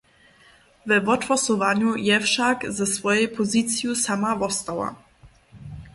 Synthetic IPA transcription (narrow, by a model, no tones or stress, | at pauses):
vɛvɔtfɔsɔvaɲujɛfʃakzɛsvɔjɛjpʰɔzit̪sjusamavɔst̪awa̰